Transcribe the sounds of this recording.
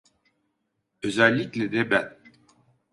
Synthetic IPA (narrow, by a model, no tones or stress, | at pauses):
øzælʲːiclʲɛd̪ɛbæn